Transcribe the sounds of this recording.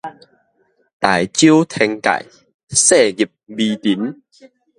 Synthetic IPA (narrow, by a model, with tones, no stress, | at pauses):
t̪a˨˩jt͡ɕu˦wt̪ʰɛ˧ŋka̰˨j | se˥˨ɡi˨˩p̚bi˧t̪i˨˦n